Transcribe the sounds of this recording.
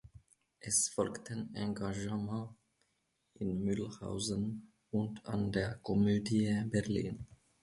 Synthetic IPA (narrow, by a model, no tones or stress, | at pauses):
ʔɛsfɔlktʰənʔɑ̃ŋɡaʒəmɑ̃ː | ɪnmʏlha̰ʊzən | ʊnta̰ndeːɐkʰɔmøːdjəbɛʁlḭːn